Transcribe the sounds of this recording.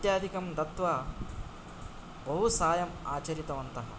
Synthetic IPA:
t̪jaːd̪ʱikɐmd̪ɐt̪ʋɐ | bɐɦusaːjɐma̰ːt͡ʃɐɾit̪ɐʋɐnt̪ɐɦɐ̰

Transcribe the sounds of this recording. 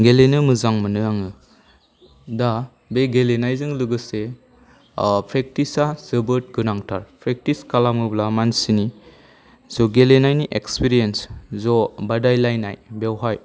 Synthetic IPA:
ɡelenɯmɯzaŋmɯnɯaŋɯ | da | beɡelenajzɯŋlɯɡɯse | pʰɾek̚tisasɯbɯt̚ɡɯnaŋtʰaɾpʰɾek̚tiskalamɯblamansini | zɔɡelenajniʔekspiɾienszɔbadajlajna̰jbewɦaj

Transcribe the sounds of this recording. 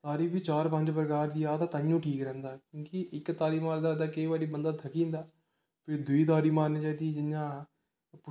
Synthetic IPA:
t̪aːɾiːbiːt͡ʃaːɾpə̃ɲd͡ʒpəɾəkaːɾd̪iːaːt̪aːt̪ãːjũːʈʰiːkɾɛ̃ːnd̪aːkjõːkɪʔɪkːt̪aːɾiːmaːɾd̪aːd̪aːkəiːʋaːɽiːbənd̪aːt̪ʰəkĩːnd̪aː | pʰɪɾd̪ʊiːt̪̬aːɾiːmaːɾnːt͡ʃaːd̪iːd͡ʒɪjãː | p

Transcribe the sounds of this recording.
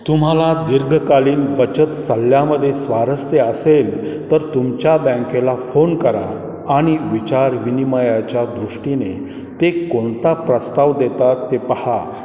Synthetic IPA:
t̪um̤alad̪iɾɡʱəkaliːnbət͡ɕət̪səljaməd̪ʱːjesʋaɾəseəselt̪əɾt̪umt͡ɕjabɛ̃ŋkelafonkəɾa̰ː | ɽ̃iʋit͡ɕaɾʋiniməjat͡ɕjad̪ɾuʂʈine | t̪ekoɳt̪apɾəst̪aʋd̪et̪at̪ːepəha

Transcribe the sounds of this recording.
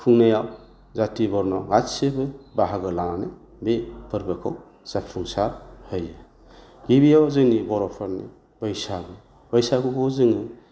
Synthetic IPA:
pʰuŋnajaw | zatibɔɾnɔɡatsebɯbaɦaɡɯlaŋane | bepʰɯɾbɯkʰɔw | sapʰuŋsaɾhɯjɯ | ɡ̥ibijawzɯŋnibɔɾɔpʰaɾnḭ | b̥ɯjsaɡɯ | bajsakukʰɔwzɯŋɯ

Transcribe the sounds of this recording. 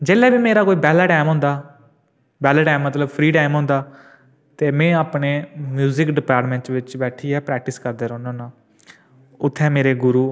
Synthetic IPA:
d͡ʒeːlɛːbiːmeːɾaːkoːiːbɛːlaːʈaːɪmɦõːnd̪aː | bɛːlaːʈaːmːət̪ləbpʰɾiːʈaːɪmɦõːnd̪aː | t̪eːmɛ̃ːaːpneːmjuːzɪkɖɪpaːɾʈmɛ̃ːɳʈsʋɪt͡ʃbɛːʈʰiːɛːpɾɛːk̚ʈɪskəɾd̪eːɾonãːnãː | ʊt̪ʰːɛ̃ːmeːɾeːɡʊɾuː

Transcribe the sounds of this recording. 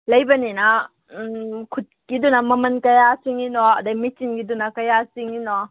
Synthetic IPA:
lɐjbɐninɐ | kʰut̚kidunɐmɐmɐnkɐjasiŋinɔa̰ːdamit͡ʃinɡidunɐkɐjasiŋinɔ

